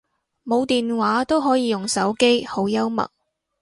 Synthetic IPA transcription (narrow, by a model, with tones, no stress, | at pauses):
mo˨˧wt̪iː˨nwaː˨˥t̪o˥wɦɔː˨˥jiː˨˧jʊ˨ŋsɐ˨˥wke˥jho˨˥wjɐ˥wmɐ̰˨˩k̚